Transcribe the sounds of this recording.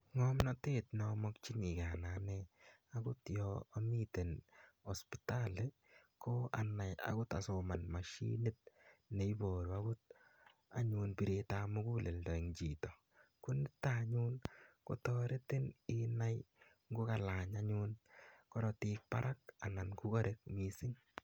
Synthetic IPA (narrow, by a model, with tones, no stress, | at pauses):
ŋɔmnɔteː˦tnɔmɔk̚t͡ʃi˦ŋi˨ka˨nanɛa˦kʊ˦tjɔːmite˨nɔ˨spi̥tale | kʰoa˨na˨ja̰kʊ˦ta̰˨soma˨nma˨ʃḭni˦t̚ne˨ibo˨ɾu˨a˦ɡʊ˦t̚a̰˨ɲu˧npi˨ɾetamʊ˦ku˦le˨ldɔ˨i˨ŋt͡ʃi˨tɔ˨ | ku˦nɪ˦taɲunko̰˦tɔɾe˦tɪ˦nɪna˦j | ŋɡo˦ka˨laɲa˦ɲʊnkɔɾɔtik̚pa̰˦ɾʔa˦ka˨na˨nku˦kɔ˦ɾʔe˦k̚mi˨sɪ˦ŋ